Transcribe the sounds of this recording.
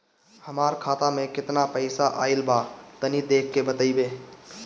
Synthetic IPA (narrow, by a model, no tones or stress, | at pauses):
həmaɾkʰat̪amekɪt̪napəɪsaʔaɪlbat̪ənid̪ekʰːebət̪əɪbe